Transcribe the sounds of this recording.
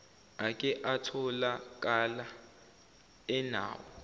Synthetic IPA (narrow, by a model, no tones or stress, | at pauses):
akʼɛʔatʰɔlak̬ʼala | ɛna̰ːwɔ